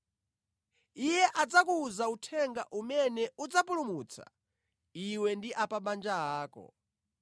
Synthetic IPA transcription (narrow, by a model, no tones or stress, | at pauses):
ijɛʔad͡zakuːzautʰɛŋɡaʔumɛnɛud͡zapulumuːt͡sʰa̰ | iwɛndiʔapaɓand͡ʒaɦaːkɔ̰